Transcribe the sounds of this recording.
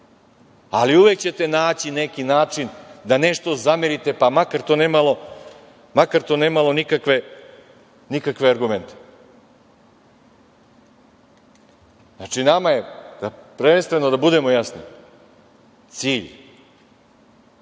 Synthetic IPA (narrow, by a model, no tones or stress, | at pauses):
aliuʋe̞k̚t͡ɕe̞t̪e̞naːt͡ɕine̞kinaːt͡ʂind̪ane̞ʂt̪o̞zamiɾit̪e̞pamakaɾt̪oːneːmalo̞ | makaɾt̪o̞ːne̞ːmalo̞nikakʋe̞ | nikakʋe̞aɾɡume̞nt̪e̥ | zat͡ʂinamaje̞d̪̥apɾeʋenst̪ʋe̞nod̪abud̪e̞mo̞jasni | t̪siːʎ